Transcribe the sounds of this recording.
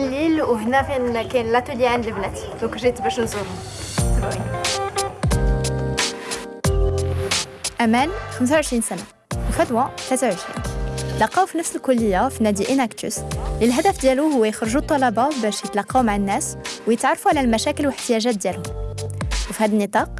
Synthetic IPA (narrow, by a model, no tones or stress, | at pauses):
lːilwhnækænkænlæt̪uliʕənd̪ləbnæt̪ | d̪ũkʒit̪bæʃnzuɾ | sbʕi | ʔæmænxəms̬awʕəʃɾinsæna | wəfæt̪wæt̪læt̪awʕəʃɾḭːnt̪lɑqːɑwfinəfsəlkʊlːəjːafinæd̪iʔinækt̪ʊ̰slilɦæd̪æfd̪jæluhʊwːæjəxɾʒut̪ˤːɑlɑbɑbæʃjət̪lɑqːɑwmaʕanːæswjət̪ʕɑrˤːɑfuʕlælmæʃækəlwəħt̪əjæʒæt̪̚d̪jælhʊm | wfihæd̪ənːət̪ˤɑq